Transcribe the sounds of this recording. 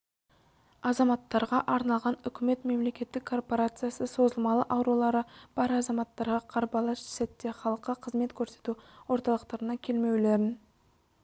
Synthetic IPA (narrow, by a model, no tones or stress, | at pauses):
ɑzɑmɑt̪ːɑɾʁɑʔɑɾnɑlˠʁɑnʏkʲɪme̞t̪me̞mle̞kʲe̞t̪ːɪkʰːo̞rpo̞ɾat̪sɨjasəso̞zəlˠmɑlˠəʔɑwɾulˠɑɾəb̥ɑɾɑzɑmɑt̪ːɑɾʁɑqʰɑɾbɑlˠɑʃɪ̥set̪ːe̞χɑlˠəqːəqʰəzme̞t̪kʲʰɵɾse̞̥t̪uwo̞ɾt̪ɑlˠəqt̪ɑɾənɑkʲʰe̞lme̞wle̞ɾɪn